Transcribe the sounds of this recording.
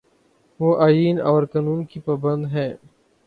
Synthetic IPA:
ʋoːʔaːjiːnɔːɾkaːnuːnkipaːbɐ̃nd̪ɦɛ̃ː

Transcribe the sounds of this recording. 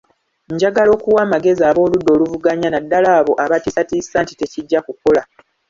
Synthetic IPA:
ɲɟaɡalo̞ːkuwaːmaɡe̞zaːβo̞ːludːo̞ːluvuɡaɲanadːalaːβo̞ʔaβatisatisaːntite̞ciɟːakukola

